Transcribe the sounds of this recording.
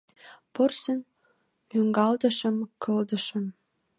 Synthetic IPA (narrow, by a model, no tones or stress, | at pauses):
porsə̆n | yŋɡɑld̪ə̆ʃə̆mkʰɤ̆ld̪ə̆ʃə̆m